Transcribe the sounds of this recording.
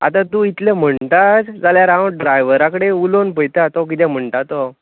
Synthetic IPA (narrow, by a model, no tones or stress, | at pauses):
a̰t̪ãt̪uit̪lẽm̤əɳt̪at͡sd͡zaljaɾawɖɾajʋəɾakəɽeulonpəjt̪at̪ɔk̬it̪ɛ̃m̤əɳt̪at̪ɔ